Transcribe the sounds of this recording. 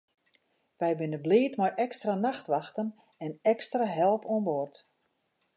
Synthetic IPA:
ʋɛjbɪnəbleːtmɔjʔɛkstranaxtʋaxtən | ɛnɛkstraɦɛlˠpoənbort

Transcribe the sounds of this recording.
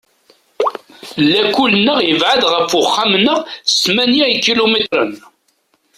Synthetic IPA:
lːækːʊlənːəʁjəvʕad̪ʁəfːʊχːamənəʁsmænjæikilomet̪ɾˤən

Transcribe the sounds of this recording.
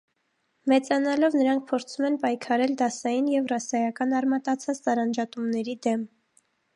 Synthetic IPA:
mɛt͡sɑnɑlɔvnəɾɑŋk̚ʰpʰɔɾt͡sʰumɛnpɑjkʰɑɾɛld̪ɑsɑjinjɛvrɑsɑjɑkɑnɑɾmɑt̪ɑt͡sʰɑt͡st͡sɑɾɑnd͡ʒɑt̪umnɛɾid̪ɛm

